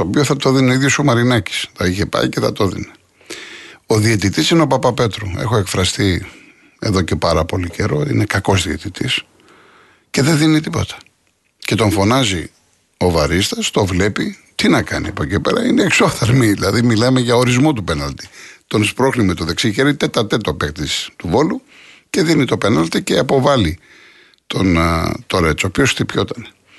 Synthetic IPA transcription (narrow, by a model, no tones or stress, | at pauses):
t̪oːpioθɐt̪oðineiðjosomɐɾinɐci̥st̪oiçe̞pɐ̰ice̞θɐ̰t̪oðḭne | o̞ðiet̪it̪isineopɐpɐpe̞t̪ɾoe̞̰xo̞e̞kfɾɐst̪i | e̞̰ðo̞ce̞pɐɾɐpo̞lice̞ɾo̞ḭnekɐko̞zðiet̪it̪is | ce̞ðenðinit̪ipo̞̰t̪ɐ̥ | ce̞t̪o̞ɱfo̞nɐzi | o̞vɐɾist̪ɐst̪o̞vle̞pit̪inɐkɐniɐpocepe̞̰ɾɐineːksoθɐɾmiðilɐðimilɐme̞ʝɐoɾizmo̞t̪upenɐlt̪i̥t̪o̞nspɾo̞xlimet̪oðe̞ksiʝeɾit̪et̪ɐt̪e̞t̪o̞pekt̪ist̪uvo̞lu | ce̞ðinit̪o̞pe̞nɐlt̪ice̞ɐpo̞vɐli | t̪ʰo̞nt̪o̞ɾet͡sopjosθipço̞t̪ɐne̥